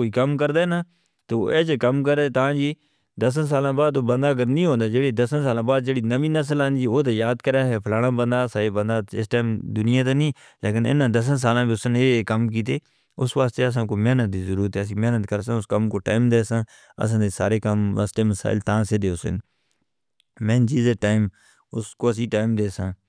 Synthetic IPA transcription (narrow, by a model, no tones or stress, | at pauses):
koːiːkəmkəɾd̪aːɦɛnaː | t̪oːeːt͡ʃkəmk̬əɾeːt̪ãːd͡ʒiː | d̪əs̬əns̬aːlãːbaːd̪̚oːbənd̪aːəɡəɾnĩːɦõːnd̪aːd͡ʒeːɽiːd̪əsənsaːlãːbaːd̪d͡ʒeːɽiːnəʋiːnəs̬əlaːnd͡ʒiːoːt̪̬eːjaːd̪kəɾaːɦɛːpʰlaːɽãːbənd̪aːsaːeːbənd̪aːɪsʈaːmd̪ʊnɪjãːt̪̬aːnĩː | leːkɪnɪ̰nãːd̪əs̬əns̬aːlãːbiːʊsneːkəmk̬iːt̪̬eː | ʊsʋaːst̪eːəs̬ãːkoːmɛːnət̪̚d̪iːzəɾuːɾət̪ɦɛːəs̬ĩːmɛːnət̪kəɾsãːʊskəmkoːʈaːɪmd̪eːsãː | ə̰s̬ãːd̪eːsa̰ːɾeːkəmʋa̰ːst̪eːməsa̰ːɪlt̪ãːseːd̪eːʊsɪ̰n | mɛ̃ːnd͡ʒiːzeʈaːɪm | ʊskoːəs̬ĩːʈaːɪmd̪eːsãː